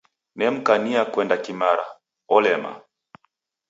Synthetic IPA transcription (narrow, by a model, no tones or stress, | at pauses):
nɛm̩kaniakwɛndakimaɾa̰ | ɔlɛma̰